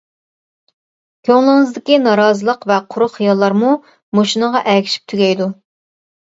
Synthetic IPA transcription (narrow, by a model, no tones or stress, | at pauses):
kʲʰøŋlˠɪŋɨzd̪ɪkʲinɑɾɑːzɨlˠəqvɛqʰʊɾʊχχijɑlˠːɑɾmu | moʃinəʁɑʔɛkʲʰi̥ʃi̥p̚t̪ʰyɡʲɛjd̪u